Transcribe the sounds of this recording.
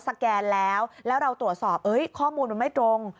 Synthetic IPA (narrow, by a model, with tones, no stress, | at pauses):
sa˧kɛː˧nlɛː˦˥wlɛː˦˥wɾa˧wt̪ɾu˨˩ət̪̚sɔː˨˩p̚ʔɤ˦˥jkʰɔː˥˩muː˧nma˧ma˥˩jt̪ɾo˧ŋ